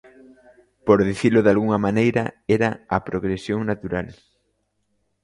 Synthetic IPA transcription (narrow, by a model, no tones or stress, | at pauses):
poɾðiθilʊðalɣuŋɐmanejɾɐɛɾɐɐpɾoɣɾesjoŋnat̪uɾal